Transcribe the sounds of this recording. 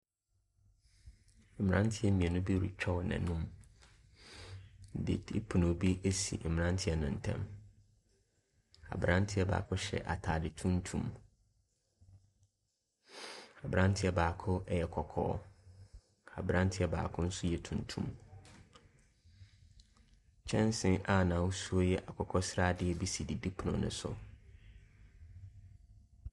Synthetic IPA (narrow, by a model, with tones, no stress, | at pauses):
m̩˨mɪ̃˨nã˦n˦tʰɪ˦ɛ˦mĩ˨ɛ˨nʊ̃˦bi˦ɾṵ˨t͡ɕᶣʰɔ˦wnã̰˨nũ˦m˨ | dɪ̰˨dɪ˦pʰu˨nõ˨bi˦ʔe˦sḭ˨m̩˨nã˦n˦tʰɪ˦ɛ˦nã˨n̩˨tʰɛ̰̃˦m | a̰˨bɾã˦n˦tʰɪ˦ɛ˦ba̰ː˨kʰʊ˦ɕɛ̰˨ʔa˨tʰaː˨dɪ˨tʰũ˦n˦tʰũ˦m | a˨bɾã˦n˦tʰɪ˦ɛ˨baː˨kʰʊ˦ʔɛ˦jɛ˨kʰɔ˨kʰɔ̰ː˦ | a̰˨bɾã˦n˦tʰɪ˦ɛ˨ba̰ː˨kʰʊ̃˦n̩˦sʊ˦jɛ˨tʰũ˨ntʰṵ̃˦m | t͡ɕʰɛ̃˦n˦sɪ̃˦ʔa˨nã˨wsu˦o˦jɛ˦ʔa˨kʰɔ˨kʰɔ˦sɾaː˦dɪ˨ɛ˦bi˦si˨di˨di˦pʰʊ˨nʊ̰̃˨nʊ̰̃˦sʊ̰˨